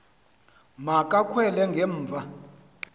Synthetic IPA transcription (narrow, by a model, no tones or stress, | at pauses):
makʼakʰwɛlɛŋɡʱɛɱ̩ːvʱa